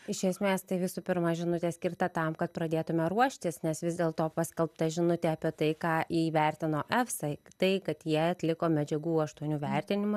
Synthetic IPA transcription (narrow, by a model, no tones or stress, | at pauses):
ɪʃʲɛsʲmʲeːst̪ɐɪʋʲɪsupʲɪɾmɐʒʲɪnʊt̪ʲesʲkʲɪrt̪ɐt̪ɐmkɐt̪̚pɾɐd̪ʲeːt̪ʊmʲɛɾuɔʃʲt̪ʲɪsnʲɛsʋʲɪzd̪ʲeːlˠt̪oːpɑsʲkʲɛlˠpt̪ɐʒʲɪnʊt̪ʲɛɐpʲiɛt̪ɐɪkɑːʔiːʋʲɛrʲt̪ʲɪnoːʔɛfsɐɪt̪ɐɪkɐt̪jiɛɐt̪ʲlʲɪkoːmʲɛd͡ʒʲɛɡuːɐʃt̪uɔnʲuːʋʲɛrʲt̪ʲɪnʲɪmʊ